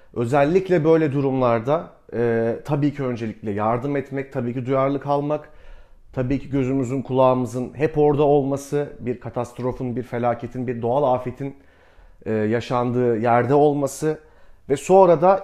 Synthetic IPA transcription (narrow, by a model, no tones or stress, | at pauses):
ø̞zɛlʲːiclʲɛbø̞jlʲɛd̪uɾumlˠaɾd̪a | ɛːt̪ʰabiːcʰiø̞nd͡ʒe̞lʲicʲlʲɛjaɾd̪ɯmɛt̪mɛc̚t̪ʰabiːcʰid̪ujaɾlˠɯkalˠmak | t̪ʰabiːcʰiɟø̞zymyzynkʰulˠaːmɯzɯnɦɛpo̞ɾd̪ao̞lˠmasɯbiɾkʰat̪ʰast̪ɾo̞funbiɾfe̞lʲaːcʰe̞t̪ʰinbiɾd̪o̞alˠaːfe̞t̪ʰin | ɛːjaʃand̪ɯːjæɾd̪ɛo̞lˠmasɯ | vɛso̞nɾad̪a